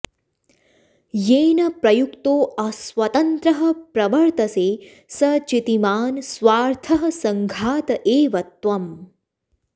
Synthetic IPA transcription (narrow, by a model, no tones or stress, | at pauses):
jeːnɐpɾɐjukt̪oːɐsʋɐt̪ɐnt̪ɾɐɦɐ̆pɾɐʋɐɾt̪ɐseː | sɐt͡ʃit̪imaːnsʋaːɾt̪ʰɐɦɐsɐŋɡʱaːt̪ɐʔeːʋɐt̪ʋɐm